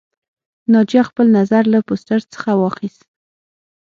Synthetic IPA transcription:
nɑd͡ʒijɑxpəlnazaɾlapost̪əɾt͡sə̥xawɑxist̪

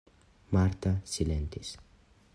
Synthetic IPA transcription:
maɾt̪asilent̪is

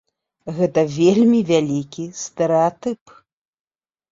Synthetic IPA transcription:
ɣɛt̪ɐvʲelʲmʲivʲalʲikʲist̪ɛɾɛat̪ɨp

